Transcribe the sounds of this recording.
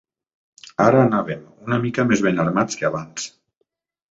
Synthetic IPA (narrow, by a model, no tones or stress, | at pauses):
aɾaːnaβemunamikamezβenaɾmat͡skeaβans